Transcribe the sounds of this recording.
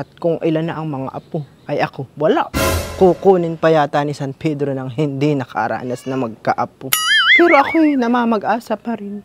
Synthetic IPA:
ʔɐt̪̚kʊŋʔɪlanːɐʔɐŋmɐŋa̰ʔɐpo | ʔɐjʔɐko̞wɐlaʔkukuːnɪnpɐjaːt̪anɪsanpʰɛd̪ɾonɐŋɦɪnd̪inɐkʰɐ̰ʔɾa̰ːnɐsnɐmɐɡ̚kɐʔɐpopɛːɾoʔɐkojnɐmaːmɐɡʔaːsɐpɐɾɪn

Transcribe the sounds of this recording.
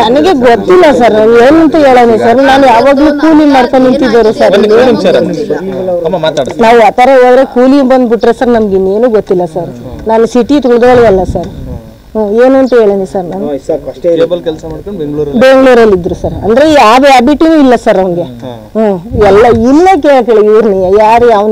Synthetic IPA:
nɐnɐɡe̞ɡot̪ːilːɐsɐɾnɐneːnuɐnt̪ɐe̞ːɭɐnisɐɾnaːnujaːʋaːɡɐluːkuːlimaːɖkonint̪id̪oːɾusɐɾɐme | t̪ːɽnaːʋaːt̪ɐɾeɦoːd̪ɾe̞kuːlimbɐnd̪biʈːɾesɐɾnɐmɐɡinːe̞ːnuːɡot̪ːilːɐsɐɾnaːnusiʈit̪uɡɭd̪ʋɐɭɛlːɐsɐɾ | ɦoːeːnuɐnt̪ɐɦeːɭɐnisɐɾnaːnu | ɐlkɛlsɐːɽkoɡbeŋɡɭuːɾɐlːid̪ːɾusɐɾɐ̰nd̪ɐɾeaːʋaːbiʈinuːilːɐsɐɾɐʋɐnɡe̞ | ɦoːɛlːɐilːekeɭkeɭeiʋɾnejɐjaːɾjaːʋn

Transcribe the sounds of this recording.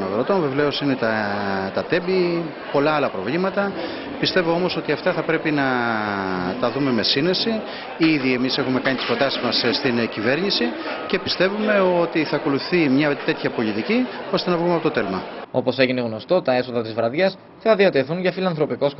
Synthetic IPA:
nɐɣɾot̪onvevle̞o̞sine̞t̪ɐt̪ɐt̪e̞bi | po̞lɐɐlɐpɾo̞vlimɐt̪ɐ | pist̪e̞vo̞o̞mo̞so̞t̪iɐft̪ɐθɐpɾe̞pinɐ | t̪ɐðume̞me̞sine̞si | iðie̞mise̞xume̞kɐnit̪isfod̪ɐsizmɐsst̪incive̞ɾɲisice̞pist̪e̞vume̞o̞t̪iθɐːko̞luθimɲɐt̪e̞t̪çɐpo̞lit̪icio̞st̪e̞nɐvɣumeɐpo̞t̪ot̪e̞lmɐo̞po̞se̞ʝine̞ɣno̞st̪o̞t̪ɐe̞so̞ðɐt̪izvɾɐðʝɐs | θɐðiɐt̪e̞θuɲʝɐfilɐnθɾo̞piko̞s

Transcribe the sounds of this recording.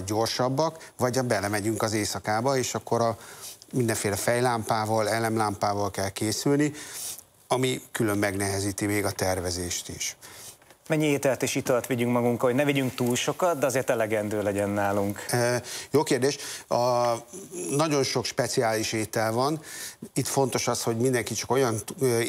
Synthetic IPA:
ɟo̞rʃɒbːɒkvɒɟɒbɛlɛmɛɟyŋkɒzeːsɒkaːbɒeːʃɒkːo̞ɾɒmind̪ɛɱfeːlɛfɛjlaːmpaːvɒlɛlɛmlaːmpaːvɒlkɛlkeːsylni | ɒmikylø̞mːɛɡnɛɦɛziːt̪imeːɡɒt̪ɛrvɛzeːʃt̪iʃ | mɛɲːieːt̪ɛlt̪eʃit̪ølt̪ʋiɟyŋkmɒɡuŋkɒho̞ɟnɛviɟyŋk̚t̪uːlʃo̞kɒt̪̚d̪ɛɒzeːrt̪ɛlɛɡɛnd̪øːlɛɟɛnːaːluŋkːjoːkeːrd̪eːʃɒ | nɒɟo̞nʃo̞kʃpɛt̪siaːliʃeːt̪ɛlvɒnit̪fo̞nt̪o̞ʃɒsho̞ɟmind̪ɛŋkit͡ʃɒko̞jɒn

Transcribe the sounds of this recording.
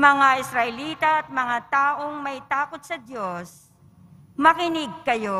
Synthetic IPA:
mɐŋaʔɪsɾɐʔɛliːt̪ɐɐt̪̚mɐŋat̪aːʔoŋmɐjt̪aːkot̪̚sɐd̪jo̞s | mɐkɪnɪɡ̚kɐjo̞

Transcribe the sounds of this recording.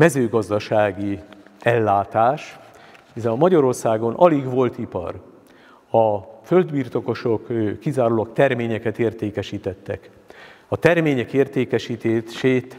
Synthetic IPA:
mɛzøːɡɒzd̪ɒʃaːɡiɛlːaːt̪aːʃ | izɛmɒɟɒɾo̞rsaːɡo̞nʔɒliɡʋo̞lt̪ipɒ̰r | ɒfø̞ld̪biːrt̪o̞ko̞ʃo̞kːizaːɾulɒk̚t̪ɛrmeːɲɛkɛt̪eːrt̪eːkɛʃiːt̪ɛt̪ːɛ̰k | ɒt̪ɛrmeːɲɛkeːrt̪eːkɛʃiːt̪eːʃeːt̪

